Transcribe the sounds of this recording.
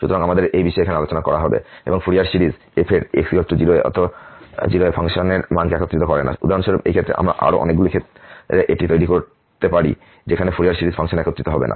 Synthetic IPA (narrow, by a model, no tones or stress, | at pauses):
ʃut̪oɾaŋamad̪eɾejbiʃɔeeanealot͡ɕonakɔɾaɦɔbḛeboŋfuɾijaɾsiɾiz | epʰeɾḛksikot̪ʈod͡ʑiloeɔ̰t̪od͡ʑiloepʰaŋʃoneɾmankeɛkot̪ːɾit̪okɔɾena̰ṵd̪ʱaɾonʃoɾobḛjkʰet̪ːɾḛʔa̰mɾa̰ʔa̰ɾo̰ʔɔ̰nek̚ɡulikʰet̪eʔeʈit̪ojɾikoɾ | t̪epaɾḭ | d͡ʑekʰanefʰuɾijaɾsiɾizpʰaŋʃonɛkot̪ːɾit̪oɦɔbḛna̰